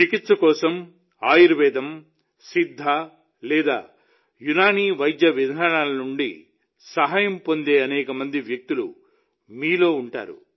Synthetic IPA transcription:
t͡ʃikit̪sɐkɔːsɐm | aːjiɾʋɛːd̪ɐm | sid̪ʱːa | lɛːd̪a̰ː | junaːniːʋɐjd̪jɐʋid̪ʱaːɳaːlɐnuɳɖḭ | sɐɦaːjɐmpo̞nd̪e̞ːɐnɛːkɐmɐnd̪iʋjɐk̚t̪ulu | miːlo̞ːuɳʈa̰ːɾṵ

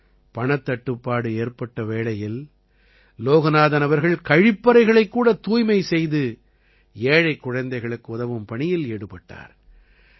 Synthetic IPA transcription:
pɐɳɐt̪ːɐʈːɯpːaːɽɯeːɾpɐʈːɐʋeːɭɐjɪl | loːɣɐnaːðɐnɐʋɐɾɣɐɭkɐɻɪpːɐɾɐɪɣɐɭɐɪkːuːɽɐt̪uːjmɐɪsɛjðɯ | eːɻɐɪkːʊɻɐnd̪ɐɪɣɐɭɯkːɯʊðɐʋɯmpɐɳɪjɪleːɽɯpːɐʈːa̰ːɾ

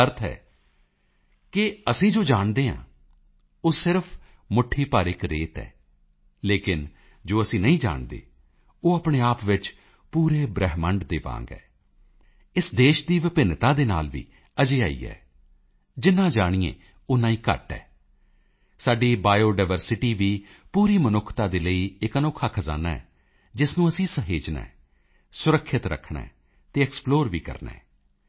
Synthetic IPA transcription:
əɾt̪ʰɦɛ̰ː | kɪəsĩːd͡ʒoːd͡ʒaːɳd̪eːã̰ː | oːsɪɾpʰ | mʊʈʰiːpaːɾɪkɾeːt̪ɛ̰ː | leːkɪn | d͡ʒoːəsĩːnəĩːd͡ʒa̰ːɳd̪ḛː | oːaːpɽ̃eːaːpʋɪt͡ʃ | puːɾeːbɾɛɦməɳɖd̪eːʋã̰ːŋɡɛ̰ː | ɪsd̪eːʃd̪iːʋɪpɪnt̪ãːd̪eːna̰ːlʋḭː | əd͡ʒeːaːḭːɛ̰ː | d͡ʒɪnːãːd͡ʒaːɽ̃iːḛ̃ː | ʊnãːĩːkə̰ʈɛ̰ː | saːɖiːbaːjoːɖaːɪʋəɾsɪʈiːʋiː | puːɾiːmənʊkʰːt̪aːd̪eːləiːɪkənokʰːaːkʰəza̰ːnaːɛ̰ː | d͡ʒɪsnũːəsĩːsəɦeːd͡ʒnɛ̰̃ː | sʊɾəkʰːɪt̪ɾə̰kʰːɳɛ̰̃ː | t̪eːɛksploːɾʋiːkə̰ɾnɛ̰̃ː

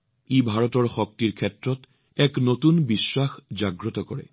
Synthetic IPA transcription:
ebʱaɹɔtɔɹxɔk̚tiɹkʰɛtɹɔt | ɛknotunbisːaxd͡ʒaɡɹɔtɔkɔɹɛ̰

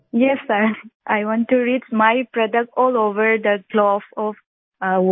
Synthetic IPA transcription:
jɛsːəɾʔajʋɔ̃nʈːuɾit͡ʃmaɪpɾɔɖək̚ʈɔːloːʋəɾd̪əɡlɔfɔf

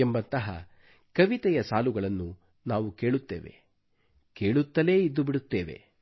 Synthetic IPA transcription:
embɐnt̪ɐɦɐ̰ | kɐʋit̪ɛjɐsaːluɡɐɭɐnːu | naːʋuke̞ːɭut̪ːeːʋe̞̰ | ke̞ːɭut̪ːɐle̞ːid̪ːubiɽut̪ːeːʋe̞̰

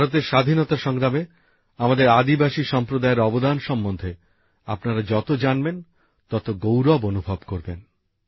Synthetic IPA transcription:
bʱaɾot̪̬eɾʃad̪ʱinɔt̪aʃɔŋɾame | amad̪eɾad̪ibaʃiʃɔmpɾod̪aeɾɔbod̪anʃɔmːond̪ʱe | apnaɾad͡ʑɔt̪od͡ʑanben | t̪ɔt̪oɡowɾɔbonubʱɔbkoɾben

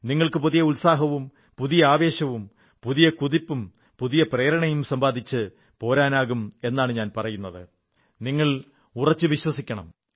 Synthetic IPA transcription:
niŋːɐɭkɨpuðijɐulsaːɦɐʋum | puðijɐaːʋe̞ːɕɐʋum | puðijɐkuðipːum | puðijɐpreːɾɐɳɐjumsɐmbaːd̪ʱit͡ɕːɨ | po̞ːɾaːnaːɣume̞nːaːɳɨɲaːnpɐrɐjunːɐðɨ | niŋːɐɭ | urɐt͡ɕːɨʋiɕwɐsikʲːɐɳɐ̰m

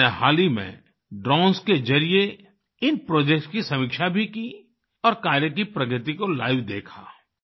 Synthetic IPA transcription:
eɦa̰ːlimḛ̃ | ɖɾɔ̃ːnsked͡ʒɐɾije | ɪnpɾoːd͡ʒek̚ʈskisɐmiːkʃabʱiki | ɔːɾkaːɾjəkipɾɐɡɾɪt̪ikola̰ːʋd̪eːkʰa̰ː

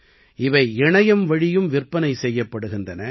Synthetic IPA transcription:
ʔɪʋɐɪɛɳɐjɐmʋɐɻɪjɯmʋɪrpːɐnɐɪsɛjːɐpːɐɽɯɣɪndrɐnɐ

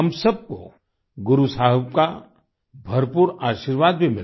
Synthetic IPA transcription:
ɦɐmsɐb̚ko̰ | ɡʊɾusaːɦbka | bʱɐɾpuːɾaːʃiɾʋaːd̪̚bʱimɪl

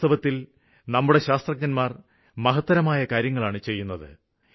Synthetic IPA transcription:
ɐʋɐt̪ːil | nɐmːuɽe̞ɕaːst̪rɐk̚ɲɐnmaːr | mɐɦɐt̪ːɐɾɐmaːjɐkaːɾjɐŋːɐɭaːɳɨt͡ɕe̞jːunːɐðɨ̰

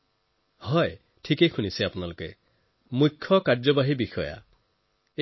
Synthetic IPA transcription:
hɔj | ʈʰikejxunisiapunaloke | mukʰːɔkaɹd͡ʒɔbaɦibixɔ̰ja̰ | e

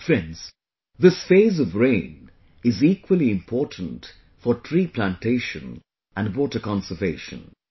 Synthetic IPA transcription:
fɾɛ̃ndz̥ | ðɪsfeɪzʌvɹẽɪ̃n | ɪzikwəliɪ̃mpʰɔːtn̩t | fətʰɹipʰlæ̃ntʰeɪʃə̰̃n | ʔæ̃nɖwɔtəkɑ̃nsəveɪʃə̰̃n

